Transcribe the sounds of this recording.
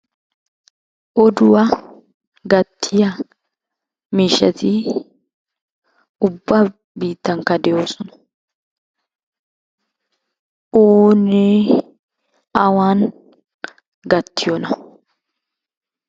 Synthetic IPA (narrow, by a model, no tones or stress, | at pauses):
ʔɔd̪ʊwɐ | ɡɐt̪ʰːɪjɐ | miːʃːɐ̰t̪ɪ | ʊbːɐ | biːt̪ːɐŋkːɐd̪ɛjoːsɔnɐ̥ | ʔoːne | ɐwaːn | ɡɐt̪ːɪjɔnɐ